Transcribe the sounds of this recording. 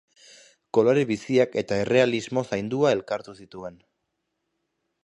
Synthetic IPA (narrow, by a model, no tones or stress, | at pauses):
ko̞lo̞ɾeβisiake̞t̪ae̞re̞alizmo̞sajnd̪uae̞lkaɾt̪usit̪ue̞n